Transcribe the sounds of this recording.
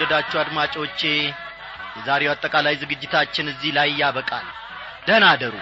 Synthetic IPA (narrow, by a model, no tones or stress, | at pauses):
d̪əd̪at͡ʃːuad̪mat͡ʃʼo̞t͡ʃːe | jɛzaɾewat̪ʼːəkʼalajzɨɡɨd͡ʒːɪt̪ʰat͡ʃːɪnɨzːihlajjaβəkʼa̰l | d̪̥ənad̪əɾu